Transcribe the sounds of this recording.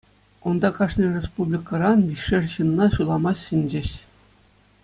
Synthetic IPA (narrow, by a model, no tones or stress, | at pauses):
ŏnd̪ɑkɑʂnʲɤrʲespublʲikɑɾɑnʋʲiʂɘrʲɕɯnnɑɕulˠɑmɑɕɕɘ̆nʲd͡ʑɘ̆ɕ